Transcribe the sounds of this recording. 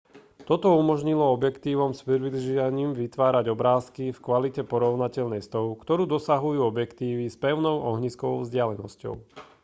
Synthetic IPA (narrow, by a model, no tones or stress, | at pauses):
t̪ɔt̪ɔumɔʒɲilɔɔbjɛkt̪iːʋɔmspɾiʋiliʒiaɲiːmʋit̪ʋaːɾaɟɔbɾaːskifkʋalicɛpɔɾɔʊnacɛʎnɛjst̪ɔʊkt̪ɔɾuːd̪ɔsaɦujuːɔbjɛkt̪iːʋispɛʊnɔʊʔɔɦɲiskɔʋɔʊzɟɪalɛnɔscɔ̰ʊ